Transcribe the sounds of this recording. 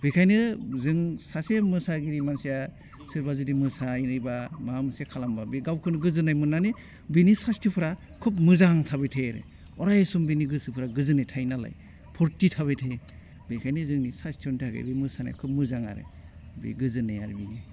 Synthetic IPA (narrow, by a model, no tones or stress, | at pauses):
b̥ikʰajnɯzɯŋsasemɯsaɡiɾimansija | sɯɾbazudimɯsainɯjbamamɯsijakʰalambabiɡawkʰɯnɡɯzɯnajmɯnːane | binisastʰipʰɯɾa | kʰupmɯzaŋtʰabetʰejɾḛ | ɔɾajsumbiniɡɯsɯpʰɯɾaɡɯzɯnetʰajnala̰j | pʰɔɾtitʰaβetʰe | bikʰajnɯzɯŋnisastʰɔntʰaɡḛbimɯsanḛjkʰup̚mɯzaŋa̰ɾḛ | bḭɡɯzɯneja̰ɾebini